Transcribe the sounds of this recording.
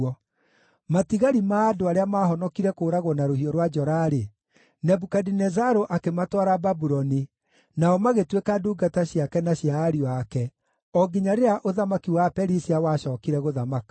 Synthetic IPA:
ɔ | matiɣaɾimaːdoaɾeamaːɦɔnɔkiɾɛkoːɾaɣwɔnaɾohiɔɾwad͡ʒɔɾaɾe | nɛbukadinɛzaɾoʔakematwaɾababuɾɔni | naɔmaɣetwekaduːɡataɕjakɛnaɕjaːɾiɔakɛ | ɔɡiɲaɾeɾaʔoðamakiwapɛɾisiawaɕɔːkiɾɛɣoðamakḁ

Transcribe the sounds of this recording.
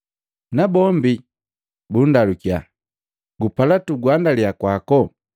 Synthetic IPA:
nabɔmbi | bundalukja | ɡupalatuɡwandaliakwakɔ

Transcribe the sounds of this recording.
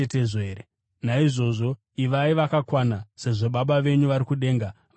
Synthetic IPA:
eteʐeɾe | naiʐo̞ʐo̞ | iʋaiʋakakwanase̞ʐo̞ɓaɓaʋe̞ɲuʋaɾikuɗe̞ːŋɡa

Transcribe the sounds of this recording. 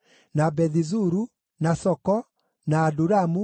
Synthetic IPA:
nabɛðizuɾu | nasɔkɔ | naːduɾamu

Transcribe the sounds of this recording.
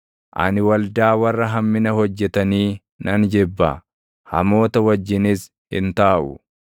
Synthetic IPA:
ʔɐ̰nɪwɐld̪aːwɐrːɐɦɐmːɪnɐhɔd͡ʒːɛt̪ɐniː | nɐnd͡ʒɛbːɐ̰ | hɐ̰mo̞ːt̪ɐwɐd͡ʒːɪnɪs | hɪ̰nt̪aːʔʊ̰

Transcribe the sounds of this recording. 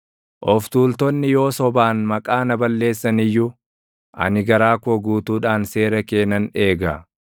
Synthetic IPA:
ʔɔft̪uːlt̪ɔnːɪjo̞ːsɔbaːnmɐkʼaːnɐbɐlːe̞ːsːɐnɪjːʊ | ʔɐ̰nɪɡɐɾaːkɔɡuːt̪uːᶑaːnse̞ːɾɐke̞ːnɐne̞ːɡɐ

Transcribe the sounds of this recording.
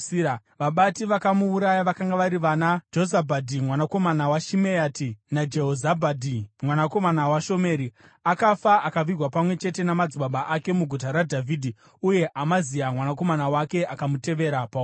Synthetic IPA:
ʋaɓatiʋakamuuɾajaʋakaŋɡaʋaɾiʋanad͡ʒozabʱadʱimwanako̞manawaʃimeaːtinad͡ʒe̞ɦozabʱadʱimwanako̞manawaʃo̞me̞ːɾi | akafaʔakaʋirwapamwe̞t͡ʃe̞te̞namad͡ziɓaɓaʔake̞muɡʱutaɾadʱavidʱi | uje̞ʔamazijamwanako̞manawake̞ʔakamute̞ʋe̞ɾapa

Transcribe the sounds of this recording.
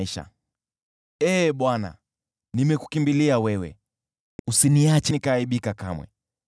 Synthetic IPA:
iʃa̰ | ɛːɓwana̰ | nimɛku̥kimbiliawɛwɛ̰ | usiniat͡ʃɛnikaːiɓikakamwɛ̰

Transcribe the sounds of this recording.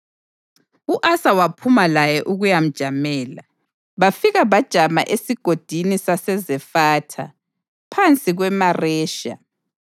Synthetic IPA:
uʔasawapʰumalajɛʔuɣujam̩d̥ʒ̥ʱamɛːla | βafiɣaβad̥ʒ̥ʱama̰ʔesiɡ̥ʱod̥ʱinisasɛzɛfatʰa̰ | pʰant͡sʼiɣwɛmarɛːʃa̰

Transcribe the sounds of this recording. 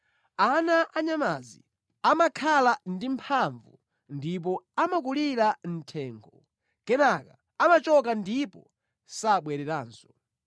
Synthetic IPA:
anaʔaɲamazḭ | amakʰalandimpʰaɱvṵ | ndip̬ɔamak̬uliɾan̩tʰɛːŋɡʰɔ | kɛnaka | amat͡ʃɔk̬andipɔ | saɓwɛɾɛɾaːnsɔ̥

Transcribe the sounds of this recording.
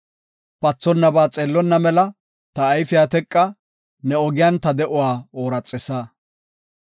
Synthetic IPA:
pɐt͡sːɔnːɐbaːt͡sʼeːlːɔnːɐmɛlɐ | t̪ɐːjfɪjaːt̪ɛkʼːɐ | nɛɔɡɪjɐnt̪ɐd̪ɛʔʊwaːoːɾɐt͡sʼːɛsaː

